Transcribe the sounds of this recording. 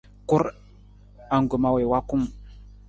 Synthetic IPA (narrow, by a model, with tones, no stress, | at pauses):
ku˦ɾ | a˨ŋɡu˨ma˨we˨wa˦ku˦m